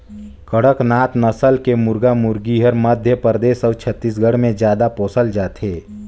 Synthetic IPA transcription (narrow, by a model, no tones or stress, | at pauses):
kəɽəknaːt̪nəsəlkemʊɾɡamʊɾɡiɦəɾməd̪ʱjəpɾəd̪eːsəːt͡ʃʰət̪ːis̬ɡʱəɽ̤mẽd͡ʒjaːd̪apoːsəld͡ʒaːt̪ɦeː